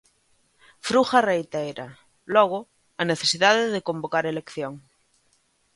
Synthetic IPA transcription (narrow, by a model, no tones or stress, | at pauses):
fɾuxarejt̪aeɾa | loɣ̞o | aneθesiðaðeðekombokaɾele̞kθjoŋ